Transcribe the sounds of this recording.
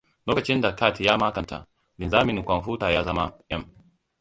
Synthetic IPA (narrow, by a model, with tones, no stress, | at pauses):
loː˦kɐ˨t͡ʃɪ˦nda˨ka˦˨ti˨jaː˦maː˦kɐ˨nta̰˨ | lɪ˨nzaː˦mɪ˨n˨kʷɐ˨nɸu˦ta˨jaː˦zɐ˦ma˦ʔɐ˦m